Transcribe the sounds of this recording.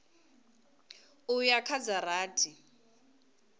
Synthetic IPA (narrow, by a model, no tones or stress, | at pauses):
ujakʰad͡zaraːtʰʼi